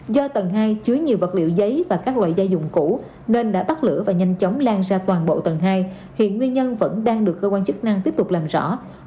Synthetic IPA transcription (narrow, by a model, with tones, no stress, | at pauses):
zɔ˧t̪ə˨˩nɦaː˧jt͡ɕɨ˨˦əjɲi˨˩əwvə˨˩t̚lḭ˧əwzə˨˦jvaː˨˩kaː˦˥k̚lwa̰ː˧˨jzaː˧wzʊ̰˧˨ŋ͡mku˧˥ | ne˧nɗa̰ː˧˥ɓa˦˥t̚lɨ̰˧˥əvaː˨˩ɲa˧jŋ̟t͡ɕə˨˦wŋ͡mlaː˧ŋzaː˧t̪waː˨˩nɓo̰˧˨t̪ə˨˩nɦaː˧j | hḭ˧˨ənŋwi˧ənɲə˧nvə̰˧˥nɗaː˧ŋɗɨ˨˩əkːəː˧kwaː˧nt͡ɕɨ˦˥k̚na˧ŋt̪i˦˥əp̚t̪ʊ˨˩k͡p̚laː˨˩mzɔ̰˧˥